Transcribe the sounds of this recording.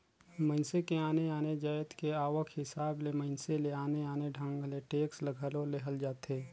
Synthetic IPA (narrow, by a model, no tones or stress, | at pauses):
mə̃nsekeaːneaːned͡ʒaːjt̪keaːʋəkʰhɪsaːblemə̃ɪnseleaːneaːneɖʱə̃ŋɡleʈeːkslɐɡʱəːlõleɦɐld͡ʒaːt̪eː